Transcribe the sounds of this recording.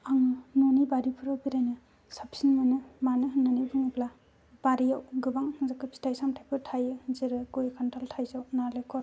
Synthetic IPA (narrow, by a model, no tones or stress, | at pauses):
aŋɯnunibaɾipʰɯɾawbiɾajnɯ | sapsinmɯnɯmanɯɦɯnːanɯbɯŋɯpla | baɾijawɡɯbaŋzakɯpʰi̥tʰajsamtʰajpʰɯɾtʰajɯziɾɯɡojkʰantaltʰajzawnaɾlekʰɔɾ